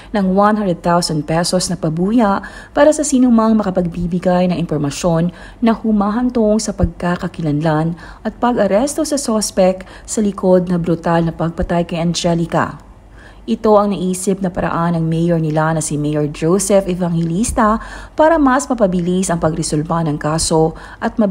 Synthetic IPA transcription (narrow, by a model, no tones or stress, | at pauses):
nɐŋwanhand̪ɾɛd̪̚θawsɐnd̪̚pɛsosnɐpɐbuːjɐʔ | paːɾɐsɐsinʊmaŋmɐkɐpɐɡ̚bibɪɡajnɐŋɪnpoɾmɐʃo̞nː | ɐhʊmaːɦɐnt̪oŋsɐpɐɡ̚kakɐkɪlɐnlan | ʔɐt̪̚pɐɡɐɾɛst̪o̞sɐsospɛk̚ | sɐlɪkʰo̞d̪̚nɐbɾut̪alnɐpɐɡ̚pɐt̪ajkɐjʔɐnd͡ʒɛlɪkɐ̰ | ʔɪt̪o̞ɐŋnɐʔiːsɪp̚nɐpɐɾɐ̰ʔanɐŋmɛjoɹnɪlanɐsimɛjoɹd͡ʒowsɛfɛvaŋhɛlist̪ɐpaːɾɐmɐsmɐpɐbɪlisɐŋpɐɡɾɛsʊlpanɐŋkaːso̞ | ʔɐt̪̚mɐ